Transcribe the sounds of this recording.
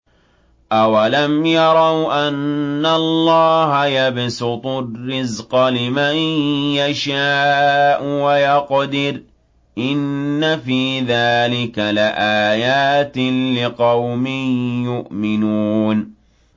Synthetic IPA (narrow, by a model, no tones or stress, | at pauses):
ʔawalamjɑɾˤɑwʔanːallˤːɑːɦajabsʊt̪ˤʊrːɪzqɑlɪmanjaʃaːʔʊwajɑqd̪ɪɾ | ʔɪnːafiːðaːlɪkalɪʔaːjaːt̪lɪqɑwmɪjʊʔmɪnuːn